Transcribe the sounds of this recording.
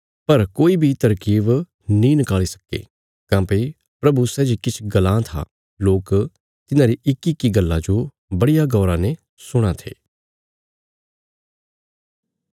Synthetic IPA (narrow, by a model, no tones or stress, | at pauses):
pɐɾkoːibʱit̪ɐɾkiːʋ | nĩnɪkaːɭisɐ̥kḛ | kãːpe | pɾɐbusɛːd͡ʒikɪt͡ʃʰɡɐlãːt̪ʰa̰ | loːk | t̪ɪnãɾiʔɪkːɪkːiɡɐlːad͡ʒo | bɐɽɪjaɡɔːɾãne | sʊɽ̃at̪ʰḛː